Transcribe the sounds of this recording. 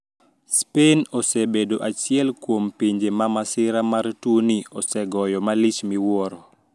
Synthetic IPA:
spenɔsebedoʔat͡ʃjɛlkwompiɲd͡ʒemamasɪɾamartuniɔsɛɡɔjɔmalit͡ʃmiwɔɾɔ

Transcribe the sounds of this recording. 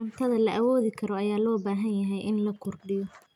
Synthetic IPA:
mt̪ʰɐðɐlɐʔɐwɔːðɪkʰɐɾɔɐjaːlɔːbaːɦɐnjɐɦɛjʔɪnlɐkʰʊrɖɪjɔ

